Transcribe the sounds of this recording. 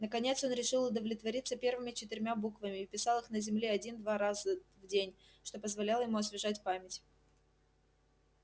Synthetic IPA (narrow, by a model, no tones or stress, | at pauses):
nəkɐnʲe̞t̪so̞nɾʲɪʂɨlˠʊd̪əvlʲɪt̪vɐɾʲit̪sːəpʲe̞rvɨmʲɪt͡ɕɪt̪ɪɾʲmʲabukvəmʲɪːpʲɪsɑlˠɨxnəzʲɪmlʲeɐdʲind̪vaɾazəvdʲenʲ | ʂt̪o̞pəzvɐlʲalˠəjɪmuɐsvʲɪʐatʲpamʲɪtʲ